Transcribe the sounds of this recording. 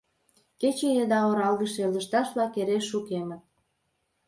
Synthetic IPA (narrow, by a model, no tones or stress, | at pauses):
ket͡ɕejəd̪ɑoɾɑlɣəʃeləʃt̪ɑʃβlɑkeɾeʃːukemə̆t̪̚